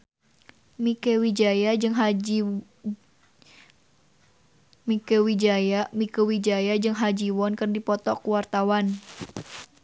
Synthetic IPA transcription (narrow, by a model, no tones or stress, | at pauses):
mikewid͡ʒajad͡ʒɨŋɦ | mikəwid͡ʒajamikəwid͡ʒajad͡ʒɨŋɦad͡ʒiwɔnkɨrdipɔt̪ɔkuwart̪awan